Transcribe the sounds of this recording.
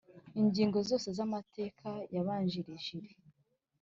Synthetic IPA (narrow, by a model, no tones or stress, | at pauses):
iɲɟiːŋɡo̞zo̞ːse̞zamatʰe̞ːkʰajaβaːɲʒiɾiʒiɾe